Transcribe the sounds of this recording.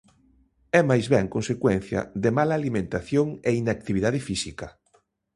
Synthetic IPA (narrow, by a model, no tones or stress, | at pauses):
ɛmajzβɛŋkõnsekwɛn̟θjɐ̰ðɪmalaːlimẽnt̪aθjoŋeinak̚t̪iβ̞iðaðɪfisikɐ